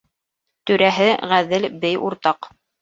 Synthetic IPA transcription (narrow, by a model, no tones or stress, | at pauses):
t̪ɵ̆ɾæɦɘʁæðɘlbɘjuɾt̪ɑq